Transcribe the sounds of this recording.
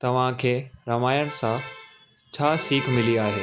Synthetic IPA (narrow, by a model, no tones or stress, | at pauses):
t̪ɐʋ̤ãkʰeːɾɐmaːjəɽ̃sã | t͡ɕʰaːsiːkʰmɪliaːɦeː